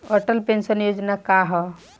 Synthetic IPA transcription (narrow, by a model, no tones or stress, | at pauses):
oʈəlpẽnʃənjoːd͡ʒnakaɦɔ